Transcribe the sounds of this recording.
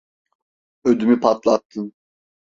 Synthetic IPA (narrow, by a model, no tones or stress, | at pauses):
ød̪ymypʰat̪lˠat̪ʰːɯn